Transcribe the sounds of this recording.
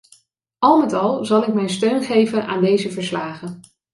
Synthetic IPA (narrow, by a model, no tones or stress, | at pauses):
ɑlˠmɛtɑlˠzɑlˠɪk̚mɛjnstøɥnχejvənʔa̰ːndejzəvəɹslaːχən